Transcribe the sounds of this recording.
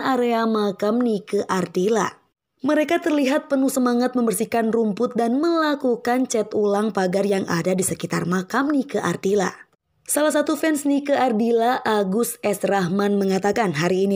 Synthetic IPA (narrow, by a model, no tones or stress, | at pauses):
aɾeamakamnikəʔardila̰ | məɾekat̪ərliɦat̪̚pənuhsəmaŋat̪̚məmbərsikanrumpʊt̪̚danməlakukant͡ʃɛt̪ulaŋpaɡarjaŋa̰dadisəkit̪a̰rmakamnikəʔa̰rdila̰ | salahs̬at̪ufɛnsnikəardilaʔaɡusɛsraɦmanməŋat̪akanɦaɾiːni